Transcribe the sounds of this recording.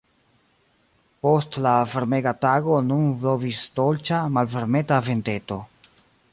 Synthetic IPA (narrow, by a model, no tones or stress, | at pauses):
po̞stlafeɾme̞ɡataɡo̞nunflovistolt͡ʃamalfeɾme̞tave̞nte̞to̞